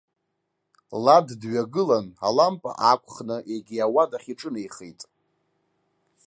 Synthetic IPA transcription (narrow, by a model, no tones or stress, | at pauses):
laddɥaɡɨlana̰lampʼa̰ʔakʷʼʰχnɨʔeɡʲiawadaχʲiʈ͡ʂʼɨnejχejtʼ